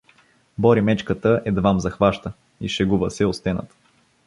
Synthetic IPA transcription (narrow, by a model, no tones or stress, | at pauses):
bɔɾimɛt͡ʃkət̪əʔɛd̪vamzɐxvaʃt̪ə | iʃɛɡuvəsɛost̪ɛnə̰t̪